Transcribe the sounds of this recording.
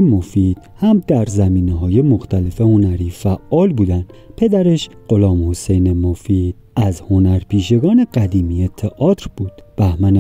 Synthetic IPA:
mofiːd̪̥hæmd̪̥æɾzæmiːneɦɒːje̞mo̞xt̪ʰæle̞fe̞ho̞næɾiːfæʔːɒːlbuːd̪ænd̪̥pʰe̞d̪æɾe̞ʃɢ̥o̞lɒːmho̞se̞jne̞mofiːd̪ | æzhonæɾpiːʃe̞ɡɒːne̞ɢæd̪iːmijet̪ʰeʔɒːt̪ʰɾb̥uːd̪̥b̥æhmæne

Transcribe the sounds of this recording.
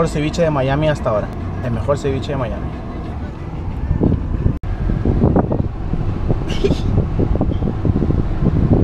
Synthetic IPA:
oɾseβit͡ʃeðemajamiast̪aoɾa | elme̞xo̞ɾseβit͡ʃeðemajami

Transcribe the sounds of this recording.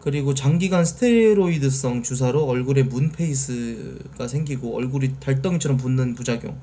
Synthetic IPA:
kɯɾiɡot͡ɕaŋɡiɡansʰɯ̥tʰeɾoidɯs͈ʌŋt͡ɕus̬ʰaɾoʌɭɡuɾe̞munpʰe̞is͈ʰɯ | ɡ̥asʰeŋɡiɡoʌ̰ɭɡuɾitaɭt͈ʌŋit͡ɕʰʌɾʌmp̬onːɯnpud͡ʑaɡjo̰ŋ

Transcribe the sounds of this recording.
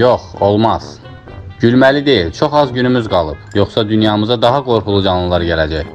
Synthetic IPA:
joχolˠmɑz̥ | ɟylmælid̪e̞jilt͡ʃʰo̞χɑzɟynymyzɡɑlˠɯb̥joχsɑd̪ynjɑmɯzɑd̪ɑɦɑɡo̞ɾχulˠud͡ʒɑnlˠɯlˠɑɾɟælæd͡ʒæj

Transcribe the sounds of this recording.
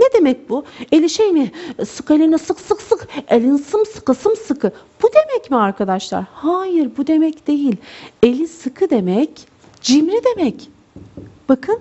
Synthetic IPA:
ned̪e̞mɛc̚buelʲiʃejmisɯkelʲinɛsɯksɯksɯkelʲinsɯmsɯ̥kɯsɯmsɯkʰɯb̥ud̪e̞mɛcmiaɾkʰad̪aʃlˠa̰ɾhaːjiɾbud̪e̞mɛcd̪̥e̞jilʲe̞lʲisɯkʰɯd̪e̞mɛc | d͡ʒimɾid̪e̞mɛc | b̥akʰɯn

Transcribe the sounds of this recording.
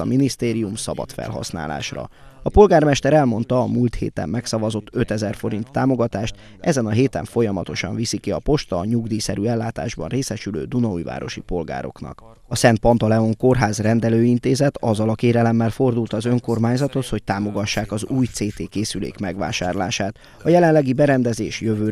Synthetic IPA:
ɒ̰minist̪eːɾijumsɒbɒ̰t̪fɛ̰lɦɒ̰sna̰ːla̰ːʃrɒ̰ | ɒpo̞lɡaːrmɛʃt̪ɛɾɛlmo̞n̪t̪ɒːmuːlt̪hḛːt̪ɛ̰mːɛksɒvɒzo̞t̪ːøt̪ɛzɛrfo̞ɾint̪ːaːmo̞ɡɒt̪aːʃt̪ | ɛzɛnɒɦeːt̪ɛ̰ɱfo̞jɒmɒt̪o̞ʃɒ̰ɱvisikiɒpo̞ʃt̪ɒːɲuɡd̪iːsɛɾyɛlːaːt̪a̰ːʒbɒ̰nreːsɛʃylø̰ːd̪unɒṵjva̰ːɾo̞̰ʃipo̞lɡa̰ːɾo̞̰knɒ̰k | ɒsɛnt̪̚pɒnt̪ɒlɛo̞ŋko̞rɦaːzrɛnd̪ɛløːint̪eːzɛt̪ɒzːɒlɒkeːɾɛlɛmːɛlfo̞rd̪ult̪ɒzøŋko̞rmaːɲzɒt̪o̞t̪ho̞c̚t̪aːmo̞ɡɒʃːaːkɒzuːjt̪seːt̪eːkeːsylḛːkmɛɡʋa̰ːʃa̰ːrla̰ːʃaːt̪ | ɒjɛlɛnlɛɡibɛɾɛnd̪ɛzeːʃjøvøː

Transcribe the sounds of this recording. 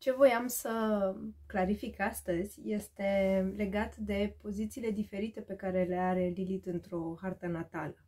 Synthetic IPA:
t͡ʃe̞vo̞jamsə | klaɾifikast̪əzʲje̞st̪e̞le̞ɡat̪d̪e̞po̞zit̪siːle̞d̪ife̞ɾit̪e̞pe̞kaɾe̞le̞aɾe̞lilit̪ɨnt̪ɾo̞hart̪ənat̪a̰lə

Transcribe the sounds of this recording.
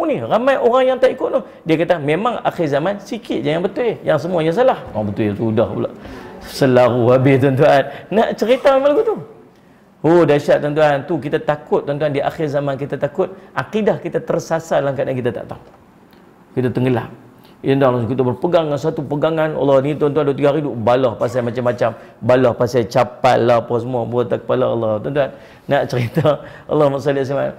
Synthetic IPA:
uniramajʔoɾaŋjaŋt̪aʔikʊt̪̚nʊh | diakat̪amemaŋa̰xɪrzamansikɪt̪̚d͡ʒajaŋbət̪uejaŋs̬əmuaɲas̬alahoaŋbət̪ujat̪udahə̰la̰ʔsəlaɾuɦabɪht̪̬uant̪uanːaʔt͡ʃəɾit̪amemaŋlaɡut̪u | odaʃaʔt̪ant̪uant̪uk̬it̪at̪akʊt̪̚ːant̪uandiʔa̰xɪrzamank̬it̪at̪akʊt̪̚ʔaqidahkit̪at̪ərsasalaŋkat̪̚danŋkit̪at̪a̰ʔt̪aŋ | kit̪at̪əŋɡəlap̚ | it̪ənd̪alkit̪abərpəɡaŋːansat̪upəɡaŋanɑ̰lːɔnit̪uant̪uanduat̪̬iɡaɦaɾidubalɔhpas̬amat͡ʃamːat͡ʃambalɔhpasat͡ʃapatlapɔs̬əmuabuat̪akə̥palaɑ̰lːɔt̪ant̪̬uanː | aʔt͡ʃəɾit̪aʔɑ̰lːɔhmaʔsɔliʔsama̰n

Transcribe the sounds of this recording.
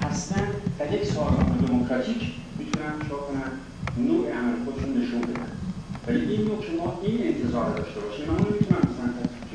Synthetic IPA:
hæst̪ænd̪d̥̪æɾjecsɒːlɒt̪od̪emokʰɾɒt̪ʰiːcʰ | mit̪ʰunænʃɒːkʰonænd̪ | noːʔeʔæmɾexod̪eʃunːe̞ʃunbe̞d̪æ̰nd̪væliinmocʰemɒːine̞nt̪ʰe̞zɒːɾd̪ɒːʃt̪e̞bɒːʃiːmmæmunemit̪ʰunæmbesæmt̪ʰæsike

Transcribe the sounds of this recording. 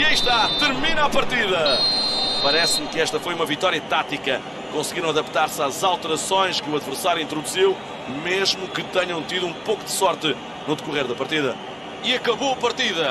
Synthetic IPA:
iɐiʃt̪at̪ɨɾminapɐɾt̪iðɐ | pɐɾɛsmkɨɛʃt̪ɐfojumɐvit̪ɔɾiɐt̪at̪ikɐ | kõsɣiɾɐ̃w̃ɐðɐpt̪aɾsazalˠt̪ɨɾɐsõj̃ʃkɨuɐðvɨɾsaɾjuĩnt̪ɾud̪uziw | meʒmukɨt̪ɛɲɐ̃w̃t̪iðuũpowkud̪ɨsɔɾt̪ɨ | nuðɨkuʁeɾðɐpɐɾt̪iðɐ | iɐkɐβoɐpɐɾt̪iðɐ

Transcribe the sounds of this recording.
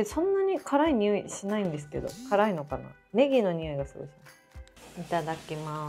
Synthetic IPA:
esõ̞nːaɲ̟ikʰaɾaiɲ̟ʲiɯ̟iɕinaĩnd̪e̞sɨ̥ke̞d̪o̞̰kʰaɾaino̞kana̰ | me̞ɡʲino̞ɲ̟iɯ̟iɡasɨɡoɕi̥ma | it̪ad̪akʲima

